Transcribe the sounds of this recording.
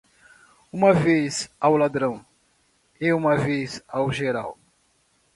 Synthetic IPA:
ũmɐvezawlad̪ɾɐ̃w̃ | eũmɐvezawʒeɾa̰w

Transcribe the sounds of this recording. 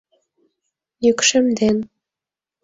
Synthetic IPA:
jykʃə̆md̪en

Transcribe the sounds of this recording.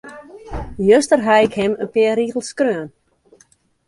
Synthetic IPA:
jøstərɦaɪkhɪmənpɪəɾiːɣl̩ˠskrøən

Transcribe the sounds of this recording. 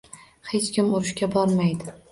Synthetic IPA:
he̞t͡ʃkʲɪmʊɾɪʃkʲabɒɾmajd̪ɪ

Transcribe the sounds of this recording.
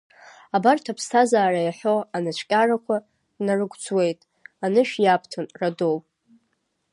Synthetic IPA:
abartʰapʰstʰazaːrajaħo̞anat͡ʃʷʰkʲʼarakʷʰa | narɨɡʷt͡sʰʼwe̞jtʼ | anɨʃᶣjapʰtʰanradow

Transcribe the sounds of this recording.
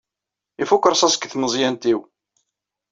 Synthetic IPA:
ifukːəɾˤsˤæsə̥kθməzˤjænt̪iw

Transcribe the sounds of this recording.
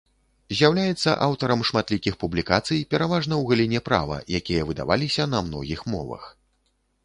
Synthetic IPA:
zʲjawlʲajɛt̪sːɐ̰ʔawt̪ɐɾɐmʂmat̪lʲikʲixpublʲikat̪sɨjpʲɛɾavaʐnɐwɣalʲinʲɛpɾa̰vɐ̰jakʲijɐvɨd̪a̰va̰lʲisʲɐnɐmnɔ̰ɣʲixmɔ̰vɐ̰x

